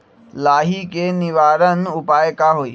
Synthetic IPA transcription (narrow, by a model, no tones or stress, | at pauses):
laːɦikenɪʋaːɾənʊpaːjkaɦoːiː